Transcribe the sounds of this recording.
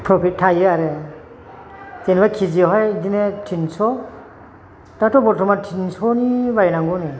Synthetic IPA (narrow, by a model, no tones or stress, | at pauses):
pʰɾɔpʰit̚tʰːajɯaɾe | senbakʰiziɦɔjdinetʰinsɔ | datɔbɔtʰɔmatʰinsʰɔnibajnaŋɡɔni